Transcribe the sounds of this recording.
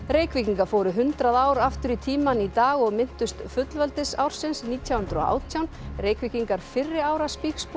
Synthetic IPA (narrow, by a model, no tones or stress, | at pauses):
ɾeːjkviciŋkaɾfoːwɾʏɦʏnt̪ɾaðaːwɾaft̪ʏɾit̪ʰiːmanit̪aːɣɔɣmɪn̥t̪ʏst̪fʏt̪lvœlt̪ɪsawɾ̥sɪnsniːt̪ʰjawhʏnt̪ɾɔ̰a̰ːwt̪ʰjawnreːjkviciŋkaɾ̥fɪrːɪaːwɾaspiːksp